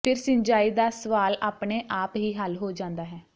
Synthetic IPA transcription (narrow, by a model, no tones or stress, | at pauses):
pʰɪɾsɪɲd͡ʒaːiːd̪aːsəʋaːlaːpɳeːʔaːpɦiːɦəlɦoːd͡ʒãːnd̪aːɦɛː